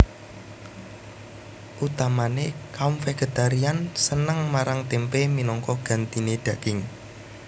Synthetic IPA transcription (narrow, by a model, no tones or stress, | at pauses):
ʔut̪amanekaʊmfeɡ̥e̤t̪aɾiansənəŋmaɾaŋt̪empeminɔŋkɔɡ̥a̤nt̪ineɖ̪̥ä̤kɪŋ